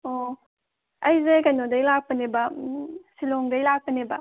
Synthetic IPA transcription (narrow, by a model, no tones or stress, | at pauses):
o | ɐjzekanodɐjlak̚pɐnebɐsiloŋɡɐjlak̚pənebɐ